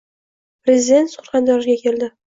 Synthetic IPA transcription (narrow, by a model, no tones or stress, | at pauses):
pɾʲezʲɪd̪e̞nt̪sʊ̥ɾχɑnd̪ɒɾɡʲakʲʰe̞ld̪ɪ